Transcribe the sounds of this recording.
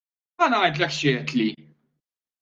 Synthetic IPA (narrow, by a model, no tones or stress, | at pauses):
ɐnɐjt̪lɛkʃɛɛt̪li